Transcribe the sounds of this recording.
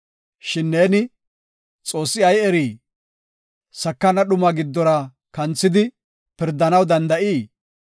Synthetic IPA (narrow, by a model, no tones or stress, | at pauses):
ʃɪnːeːnɪ | t͡sʼo̞ːsːɪɐjɛɾiː | sɐkːɐnɐɗʊmɐɡɪd̪ːɔɾɐ | kɐnt͡sːɪd̪ɪ | pɪɾd̪ːɐnɐwd̪ɐnd̪ɐʔiː